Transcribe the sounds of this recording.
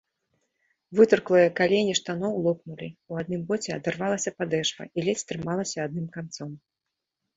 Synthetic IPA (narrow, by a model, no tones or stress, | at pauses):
vɨt̪ɨrklˠɨjɐkalʲenʲiʂt̪anɔwlˠɔpnulʲiuad̪̚nɨmbɔt͡sʲɛa̰d̪ɛrvalˠɐsʲɐpad̪ɛʂbɐ̰ilʲɛt͡s̪ʲt̪ɾɨmalˠɐsʲɐad̪̚nɨmkant̪sɔm